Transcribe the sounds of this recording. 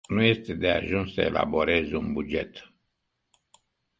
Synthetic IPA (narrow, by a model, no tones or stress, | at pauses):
nuje̞st̪e̞d̪e̞aʒunssəe̞̰lʔa̰bo̞ɾe̞zeunbud͡ʒe̞̰t̪